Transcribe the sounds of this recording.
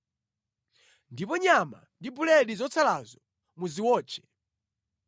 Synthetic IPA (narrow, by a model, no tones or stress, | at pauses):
ndipɔɲama̰ndibulɛɗizɔt͡sʰalazɔ | muziwɔːt͡ʃʰɛ̥